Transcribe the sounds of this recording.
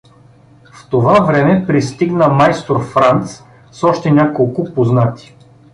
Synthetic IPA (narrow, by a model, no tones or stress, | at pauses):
ft̪ovavɾɛmɛpɾist̪iɡnəmajst̪oɾfɾant̪s | sɔʃt̪ɛnʲakolˠkʊpoznat̪ʲi̥